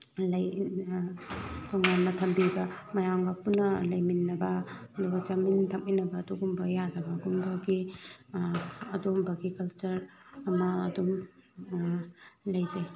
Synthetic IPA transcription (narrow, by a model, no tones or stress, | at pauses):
lɐj | tʰɔŋanːɐtʰɐmbibɐmɐjaŋbɐpunːɐlɐjminːɐbɐ | ɐduɡɐt͡ʃɐmintʰɐk̚inɐbɐːduɡumbɐjadɐbɐɡumbɐɡi | ɐdumbɐɡikɐlt͡ʃuɾɐmɐɐdum | lɐjze